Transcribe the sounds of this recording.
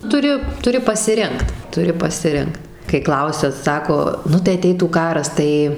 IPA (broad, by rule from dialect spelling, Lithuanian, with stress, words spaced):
tʊˈrʲɪ tʊˈrʲɪ pɐsʲɪˈrʲɪŋkt tʊˈrʲɪ pɐsʲɪˈrʲɪŋkt kɐɪ ˈklˠɐʊsʲɛ ˈsɑːkoː ˈnʊ tɐɪ ɐˈtʲɛɪtuː ˈkɑːrɐs ˈtɐɪ